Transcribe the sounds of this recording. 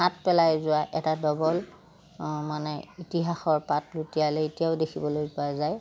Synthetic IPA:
ɦat̚pɛlajzʊaʔɛtadɔbɔl | manɛitiɦaxɔɹpatlutijaleetijaʊdekʰibɔlojpazaj

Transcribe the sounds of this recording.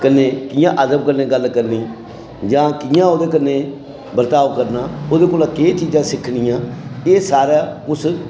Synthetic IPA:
kənːeːkɪjãːʔəd̪əmkənːẽːɡəlkəɾniː | d͡ʒãːkɪjãːoːd̪eːkənːeː | bəɾt̪aːʋkəɾnaːoːd̪eːkoːlaːkeit͡ʃiːd͡ʒãːsɪkʰniːãːeːsaːɾaːʊs

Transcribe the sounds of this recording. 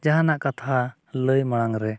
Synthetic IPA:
d͡ʒaɦanaʔkat̪ʰa | ləjmaɽ̃aŋɾɛ

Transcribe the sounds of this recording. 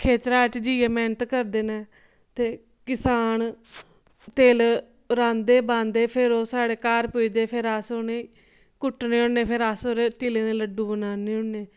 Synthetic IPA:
kʰeːt̪ɾaːʈd͡ʒiːeːmɛ̃ːnt̪kəɾd̪eːneː | t̪eː | kɪsaːn | t̪eːl | ɾãːnd̪eːbãːnd̪eːpʰɪɾoːsaːɽeːkaːɾpʊiːd̪eːpʰɪɾasoːneː | kʊʈːneːʊːɳeːpʰɪɾasoːɾeːt̪iːlẽːd̪eːləɖːũːbənaːneːʊɳneː

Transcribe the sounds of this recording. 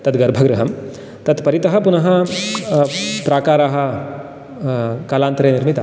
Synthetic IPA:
t̪ɐt̪ɡɐɾbʱɐɡɾɐɦɐm | t̪ɐt̪pɐɾit̪ɐɦɐ̆punɐɦɐ̆ | pɾaːkaːɾaːɦɐ̆ | kaːlaːnt̪ɾeːniɾmit̪ɐ

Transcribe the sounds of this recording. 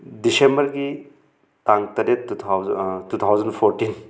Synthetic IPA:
disembɐɾɡi | taŋtɐɾet̪ʰwtut̪ʰawzɐnpʰoɾtin

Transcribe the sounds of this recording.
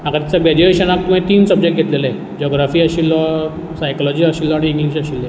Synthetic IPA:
ɦãkaɾt̪it͡sabad͡ʑiʋeɕanak̚t̪umẽt̪iːnsəb̚d͡ʑek̚ʈ̚ɡʱet̪lelaɛ | d͡ʑɔɡɾafiːaɕilːɔ | sajkɔlɔd͡ʑiːaɕilːɔaɽ̃iːŋɡliɕ̬aɕilːe

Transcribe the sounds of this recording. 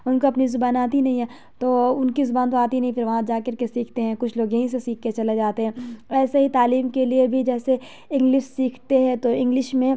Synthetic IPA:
ʊnkoɐpnizʊbaːnaːt̪inɐɦĩɦɛ | t̪oːʊnkizʊbaːnt̪oaːt̪iinɐɦĩfʰɪɾʋɐɦãd͡ʒaːkɐɾkesiːkʰt̪eɦɛ̃ːkʊt͡ʃʰloːɡẽɦĩs̬esiːkʰket͡ʃɐled͡ʒaːt̪eɦɛ̃ːɛːseɦit̪aːliːmkeliebʱid͡ʒɛːse | ɪ̃ŋɡlɪʃsiːkʰt̪eɦɛ̃t̪oɪ̃ŋɡlɪʃmẽ

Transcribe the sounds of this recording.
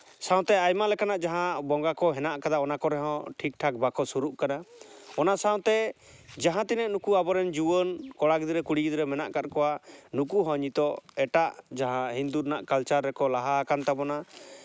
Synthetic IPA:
sãw̃t̪ɛajmalɛkanaʔd͡ʒaɦãbɔŋɡakɔɦɛnaʔkad̪aɔnakɔɾɛɦɔ̃ʈʰik̚ʈʰak̚bakɔsuɾuʔkanaɔnasaw̃t̪ɛ | d͡ʒaɦãt̪inɛʔnukuabɔɾɛnd͡ʒuwənkɔɽaɡid̪iɾɛkuɽiɡid̪ɾɛmɛnaʔkat̪̚kɔwanukuɦɔ̃ɲit̪ɔɛʈaʔd͡ʒaɦãɦind̪uɾnaʔkalt͡ʃaɾːɛkɔlaɦaːkant̪abɔna

